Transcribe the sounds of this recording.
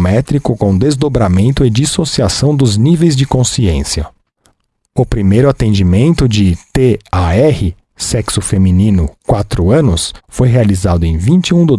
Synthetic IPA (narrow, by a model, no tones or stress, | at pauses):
mɛt̪ɾikʊkõd̪ezd̪obɾamẽnt̪ʊɪd͡ʒisosiasɐ̃w̃d̪ʊznivejzd͡ʒɪkõsiẽsiɐ | ʊpɾimejɾʊat̪ẽnd͡ʒimẽnt̪ʊd͡ʒɪt̪eaɛhɪ | sɛksʊfeminĩnʊkwat̪ɾʊɐ̃nʊsfojɦealizad̪ʊẽj̃vĩnt͡ʃɪũd̪ʊ